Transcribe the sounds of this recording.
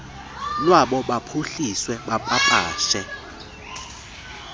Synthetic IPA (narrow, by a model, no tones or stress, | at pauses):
lwaɓɔɓapʰuɬiswɛɓapʼapʼaːʃɛ